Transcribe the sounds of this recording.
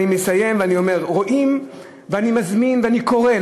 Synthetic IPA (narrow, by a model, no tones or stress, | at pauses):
imesaje̞mveanio̞me̞ʁʁo̞ʔim | veanimazminveaniko̞ʁe